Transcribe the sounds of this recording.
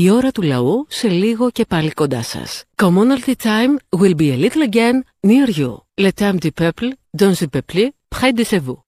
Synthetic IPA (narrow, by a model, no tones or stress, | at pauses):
io̞ɾɐt̪ulɐ̰use̞liɣo̞ce̞pɐliko̞nd̪ɐsɐ̰skomonɐlt̪it̪ʰajmwilbielit̪lɐɟenː | iɐɾʝṵlet̪amd̪ipepl | donzipeplipxɐjd̪isevu